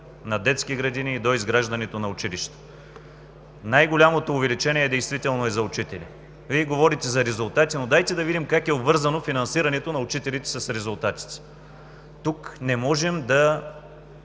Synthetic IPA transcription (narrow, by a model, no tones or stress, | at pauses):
nɐd̪ɛt̪skiɡɾɐd̪iniːd̪oizɡɾaʒd̪ɐnɛt̪onɐʊt͡ʃiliʃt̪ɛ̥ | najɡolʲamot̪oːvɛlit͡ʃɛnʲiɛd̪ɛjst̪vit̪ɛlˠnoɛzɐʊt͡ʃit̪ɛlḭ | viɛɡovɔɾit̪ɛzɐɾɛzʊlˠt̪at̪inod̪ajt̪ɛd̪ɐvid̪imkakɛʊbvɤɾzɐnofinɐnsiɾɐnɛt̪onɐʊt͡ʃit̪ɛlit̪ɛ̥sɐsɾɛzʊlˠt̪at̪i̥t̪ɛ̥ | t̪uknɛmɔʒɛmd̪ɐ